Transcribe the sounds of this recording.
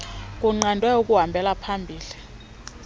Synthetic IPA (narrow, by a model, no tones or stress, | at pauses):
k̬ʼuŋ͡ǃandʱwɛuk̬ʼuɦambʱɛlapʰambʱiːli